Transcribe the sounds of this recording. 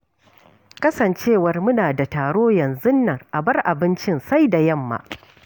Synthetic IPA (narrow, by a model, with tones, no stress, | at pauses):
kɐ˦sɐ˨nt͡ʃeː˦˨wɐ˦rmʊ˦naː˨da˨taː˨ɽoː˦jɐ˨nzʊ˦nːɐ˨rʔa˨bɐ˦rʔa˨bɪ˦nt͡ʃɪ˦nsa˦jda˨jɐ˦˨mːa̰ː˨